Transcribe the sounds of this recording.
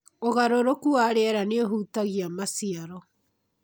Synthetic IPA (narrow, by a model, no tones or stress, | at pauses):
oɣaɾoɾokuaːɾeɛɾaneoɦuːtaɣiamasiaɾɔ